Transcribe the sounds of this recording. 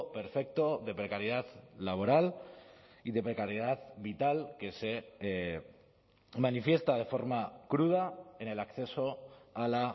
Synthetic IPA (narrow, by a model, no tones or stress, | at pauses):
peɾfek̚t̪oðe̞pɾekaɾjeð̞at̪laβo̞ɾal | iðe̞pɾekaɾjeð̞at̪βit̪alke̞se | manifje̞st̪að̞e̞fo̞ɾmakɾuð̞ae̞ne̞lakθe̞so̞ala